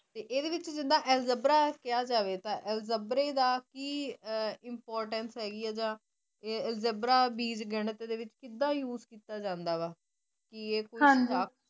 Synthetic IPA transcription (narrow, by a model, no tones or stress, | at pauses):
t̪eːʔeːd̪eːʋɪt͡ʃd͡ʒɪd̪ãːʔɛːlzəbɾaːkɪjaːd͡ʒaːʋeːt̪ãːʔɛːlzəbɾeːd̪aːkiː | ɪmpɔːɾʈənsɦɛːɡiːaːd͡ʒãː | eɛːlzəbɾaːbiːd͡ʒɡəɳt̪ːd̪eːʋɪt͡ʃkɪd̪ãːjuːzkiːt̪aːd͡ʒãːnd̪aːʋaː | kieːkoːiãaːk